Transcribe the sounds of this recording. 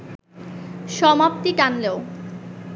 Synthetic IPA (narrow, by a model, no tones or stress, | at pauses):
ʃɔmap̚t̪iʈanleo